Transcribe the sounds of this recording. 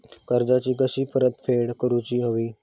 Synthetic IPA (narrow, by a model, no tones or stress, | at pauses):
kəɾd͡zat͡ɕiːk̬əɕiːpəɾət̪fʰeɽkəɾut͡ɕiːɦoʋiː